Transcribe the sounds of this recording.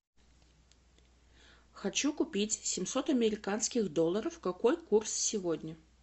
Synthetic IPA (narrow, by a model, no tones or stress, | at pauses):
xɐt͡ɕukʊpʲitʲsʲɪmsot̪ɐmʲɪɾʲɪkanskʲɪɣd̪olˠːəɾəfkakojkurssʲɪvod̪ʲnʲə